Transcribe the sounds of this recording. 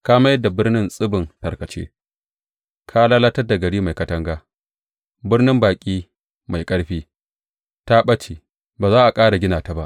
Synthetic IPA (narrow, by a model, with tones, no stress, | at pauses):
kaː˦mɐ˦jɐ˦da˨bɪ˦rnɪ˦nsʼɪ˦bɪ˨ntɐ˨kɐ˨t͡ʃḛː˦ | kʰaː˦laː˦la˦tɐ˦rda˨ɡɐ˨ɽiː˦ma˨jkɐ˦tɐ˦ŋɡaː˦ | bɪ˦rnɪ˦mbaː˨kʲʼiː˦ | ma˨jkʼɐ˦ɽɸiː˦ | ta˦ɓɐ˦t͡ʃiː˨ | baː˨zaː˦ʔa˨kʼaː˦ɽa˨ɡʲɪ˦naː˨ta˨ba˦ʔ